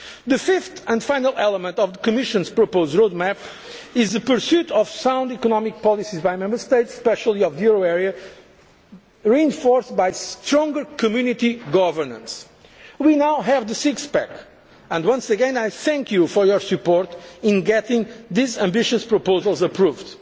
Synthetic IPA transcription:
ðɨfɪft̪ə̃nfaɪ̃nəlˠɛlˠəmə̃nt̪ɔvðəkɨmɪʃɨ̃nz̥pɹɔpoʊzdɹod̪̚mæp | ɪzðɨpəɾsjut̪ʰɔv̥sãw̃nd̪ikɔnɔmik̚pɔlˠisizbajmɛ̃mbə˞st̪eɪtsːpɛʃəlˠiɔvjuɹoɛɹiɨ | ɹiɪ̃nfɔɹsbajst̪ɾɔ̃ŋɡəɾkɨmjʉnit̪iɡɔvə˞nə̰̃ns | winawɦɛvðɨsiksbɛk | ə̃ndwʌ̃nsɨɡɛ̃najθɛ̃ŋkʰjufɔɹjɔɹsɨpɔɹt̪ɪ̃nɡɛt̪ɪ̃ŋðizə̃mbɪʃɨspɹɔpozəlˠzəpɹuvd̪

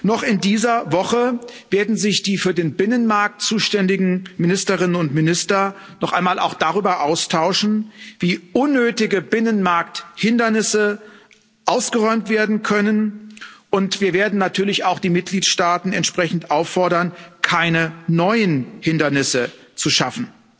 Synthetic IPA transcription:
nɔχɪndiːzɐvɔχəv̥eːɐdn̩zɪçd̥iːfyːɐdeːnbɪnənmaɐk̚tt͡suːʃtɛndɪɡŋ̩mɪnɪstəʁɪnənʊntmɪnɪstɐ | nɔχʔa̰ɪnmaːlʔa̰ʊxd̥aʁ̞yːbɐʔaʊstʰaʊʃn̩viːʔʊnːøːtɪɡəbɪnənmaɐk̚thɪndɐnɪsə | ʔaʊsɡ̥əʁɔʏmtv̥eːɐdn̩kʰœnənʔʊntv̥iːɐveːɐdn̩natʰyːɐlɪçaʊxd̥iːmɪt̚ɡ̥liːtʃtaːtn̩ɛ̰ntʃpʁ̥ɛçn̩tʔaʊfːɔɐɾɐnkʰaɪnənɔʏənhɪndɐnɪsə | t͡suʃafn̩

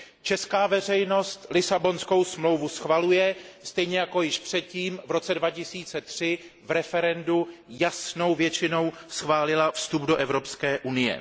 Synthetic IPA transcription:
t͡ʃɛskaːvɛr̝ɛjno̞st̪lɪsabo̞nsko̞wsmlo̞wvusxvalujɛst̪ɛjɲɛjako̞jɪʃpr̝̥ɛt̪̚ciːmvɾo̞t͡sɛdvacɪsiːt͡sɛt̪r̥ɪ | vɾɛfɛɾɛndujasno̞wvjɛt͡ʃɪno̞wsxvaːlɪlafst̪ubdoʔɛvɾo̞pskɛːʔunɪjɛ̰

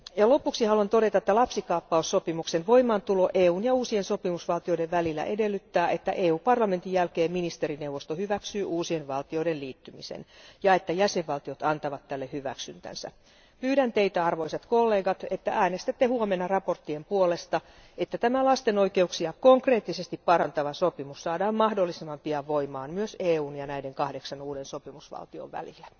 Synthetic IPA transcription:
jɑlopːuksihɑluɑnt̪oɾe̞t̪ɑĕt̪ːælɑpsikɑːpːɑusːopimuksenʋo̞imɑːnt̪uloʔeːuːnjɑuːsienso̞pimusʋɑlt̪io̞ideʋʋælilːæ̰ʔedelːyt̪ːæːʔet̪ːæ̰ʔeːuːpɑrlɑme̞nt̪ijjælkeːmminist̪eɾinewʋːost̪ohyʋæksyːʔuːsienʋɑlt̪ioidenliːt̪ːymisḛnjɑet̪ːæjæseʋʋɑlt̪iot̪ɑnt̪ɑʋɑt̪tːælːehyʋæ̰ksynt̪æ̰nsæ̰ | pyːɾænt̪eit̪æɑrʋoiset̪kolːe̞ːɡɑt̪et̪ːæʔæːnest̪æt̪ːehuomenːɑrɑpo̞rt̪ːiempuolest̪ɑet̪ːæt̪æmælɑst̪enoikeuksiɑkoŋkreːt̪ːisest̪ippɑrɑnt̪ɑʋɑsopimussɑːdɑːmmɑhdolːisemːɑmpiɑʋoimɑːnmyøseːuːnjɑnæideŋkɑhdeksɑnuːdensopimusʋɑ̰lt̪io̰ʋʋæ̰lilːæ̥

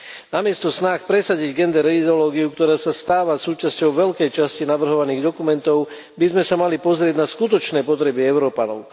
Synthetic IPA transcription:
namɪɛst̪ɔsnaxpɾɛsaɟiɟɡɛnd̪ɛɾɛid̪ɛɔlɔːɡiukt̪ɔɾaːsast̪aːʋasuːt͡ʃascɔʊʋɛlkɛjt͡ʃascinaʋr̩ɦɔʋaniːɣd̪ɔkumɛnt̪ɔʊ | bizmɛsamalipɔzɾɪɛɟnaskut̪ɔt͡ʃnɛːpɔt̪̬ɾɛbiɛʊɾɔːpanɔʊ

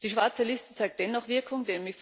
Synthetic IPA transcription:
d̥iːʃv̥aɐt͡səlɪstə̥t͡saɪk̚t̚d̥ɛnːɔχv̥ɪɐkʰʊŋdemɪf

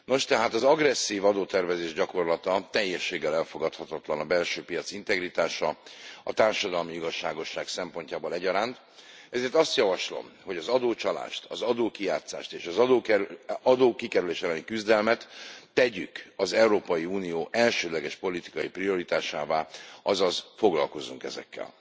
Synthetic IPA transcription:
no̞ʃt̪ɛɦaːt̪ɒzɒɡrɛsːiːvɒd̪oːt̪ɛrvɛzeːʒɟɒko̞rlɒt̪ɒt̪ɛjːɛʃːeːɡːɛlɛlfo̞ɡɒt̪hɒt̪ɒt̪lɒnɒbɛlʃøːpijɒt̪sint̪ɛɡɾit̪aːʃɒɒt̪aːrʃɒd̪ɒlmiiɡɒʃːaːɡo̞ʃːaːksɛmpo̞ɲcaːboːlɛɟɒɾaːnt̪ | ɛzeːrt̪ɒst̪jɒvɒʃlo̰mho̞ɟɒzɒd̪oːt͡ʃɒla̰ːʃt̪ɒzɒd̪oːkijaːt̪sa̰ːʃt̪eːʃɒzɒd̪oːɒd̪oːkikɛɾyleːʃɛlɛnikyzd̪ɛlmɛt̪ːɛɟykɒzɛuɾoːpɒjiuːnijoːʔɛlʃøːd̪lɛɡɛʃpo̞lit̪i̥kɒjiprijo̞ɾit̪aːʃa̰ːvaːɒzɒzfo̞ɡlɒ̰lko̞zuŋkɛzɛ̰kːɛ̰l

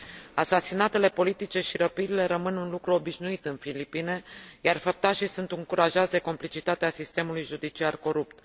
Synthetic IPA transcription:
asasinat̪e̞le̞po̞lit̪it͡ʃe̞ʃiɾəpilile̞ɾəmɨnunlukɾuo̞biʃnuit̪ɨnfilipine̞jarfəp̚t̪aʃisunt̪uŋkuɾaʒazd̪e̞ko̞mplit͡ʃit̪at̪easist̪e̞mulujʒud̪it͡ʃiarko̞ɾupt̪

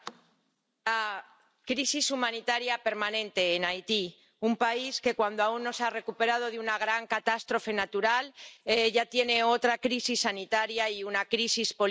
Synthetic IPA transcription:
la | kɾisisumãnit̪aɾjape̞ɾmanẽ̞nt̪e̞ːnajt̪i | umpaiske̞kwand̪oaunːo̞sare̞kupe̞ɾað̞o̞ðeunaɣɾaŋkat̪ast̪ɾo̞fe̞nat̪uɾaleʝat̪je̞ne̞o̞t̪ɾakɾisisːanit̪aɾjaiunakɾisispo̞

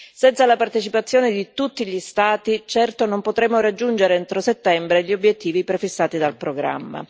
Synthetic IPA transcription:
sɛnt̪salapart̪et͡ʃipat̪sːjoːned̪it̪ut̪ːiʎist̪aːt̪it͡ʃɛrt̪onompot̪ɾemːoɾad͡ʒːund͡ʒeɾeent̪ɾoset̪ːɛmbɾeʎːiobjet̪ːiːvipɾefisːaːt̪id̪alpɾoɡɾa̰mːa̰

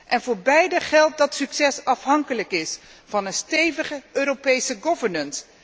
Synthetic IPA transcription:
ʔɛnvʊːɹbɛjdəχɛlˠt̚dɑtsyksɛsɑfɦɑŋkələkɪs | fɑnənstejvəχəʔøːɾopejsəɡɔvəɹnəns

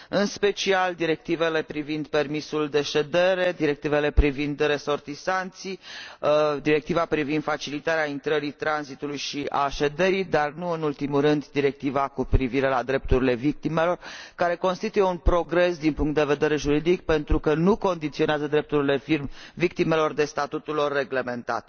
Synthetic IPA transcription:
ɨnspe̞t͡ʃiald̪iɾe̞k̚t̪ive̞le̞pɾivind̪pe̞rmisuld̪e̞ʃe̞d̪e̞ɾe̞d̪iɾe̞k̚t̪ive̞le̞pɾivind̪ɾe̞so̞rt̪isant̪si | d̪iɾe̞k̚t̪ivapɾivind̪fat͡ʃilit̪aɾeaint̪ɾəɾit̪ɾanzit̪ulujʃia̰ʃe̞d̪e̞ɾijd̪arnuɨnult̪imuɾɨnd̪d̪iɾe̞k̚t̪ivakupɾiviɾe̞lad̪ɾe̞p̚t̪uɾile̞vik̚t̪ime̞lo̞rkaɾe̞ko̞nst̪it̪uje̞unpɾo̞ɡɾe̞sd̪inpuŋkt̪d̪e̞ve̞d̪e̞ɾe̞ʒuɾid̪ik̚pe̞nt̪ɾukənuko̞nd̪it̪sio̞neazəd̪ɾe̞p̚t̪uɾile̞firmvik̚t̪ime̞lo̞rd̪e̞st̪at̪ut̪ulo̞rːe̞ɡle̞me̞nt̪a̰t̪

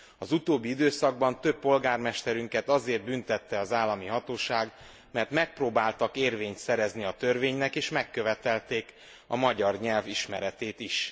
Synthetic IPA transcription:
ɒzut̪oːbːiid̪øːsɒɡ̚bɒnt̪øpːo̞lɡaːrmɛʃt̪ɛɾyŋkɛt̪ɒzeːrt̪̚bynt̪ɛt̪ːɛɒzaːlːɒmiɦɒt̪oːʃaːɡ | mɛrt̪mɛk̚proːbaːlt̪ɒkeːrveːɲt̪sɛɾɛzniɒt̪ørveːɲnɛkeːʃmɛkːø̞vɛt̪ɛlt̪eːk | ɒmɒɟɒrɲɛlviʃmɛɾɛt̪eːt̪iʃ

